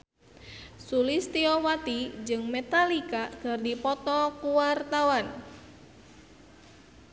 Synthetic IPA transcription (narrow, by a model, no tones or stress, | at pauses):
sulist̪iɔwat̪id͡ʒɨŋmet̪alikaɡ̥ərdipɔt̪ɔkuwart̪awan